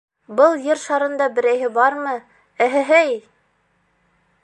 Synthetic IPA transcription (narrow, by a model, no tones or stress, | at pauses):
bɤlˠjɘɾʃɑɾɤ̆nd̪ɑbɘ̆ɾæjɦɘbɑɾmɤ | æɦɘ̆ɦæj